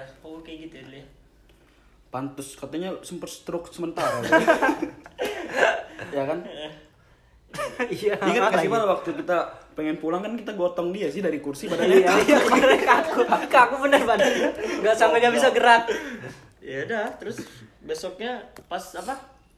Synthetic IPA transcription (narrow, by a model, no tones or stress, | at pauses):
paukeɡit̪u | pant̪ʊskat̪aɲasəmpərst̪ɾʊksəmənt̪aɾas | jakan | aiŋət̪masimanawak̚t̪ukit̪apeŋɛnpulaŋkankit̪aɡɔt̪ɔŋdiasɪhdaɾikursipadaaɪabəkakukakubənərbanəŋɡaʔsampeɲabisaɡəɾat̪̚ | jadaht̪əɾʊs | besɔk̚ɲapasapa